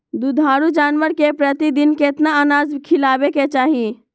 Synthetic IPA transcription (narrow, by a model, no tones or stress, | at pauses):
d̪ud̪ʱaːɾud͡ʒaːnʋəɾkepɾət̪id̪ɪnket̪naanaːzkʰɪlaːbeket͡ʃaːɦie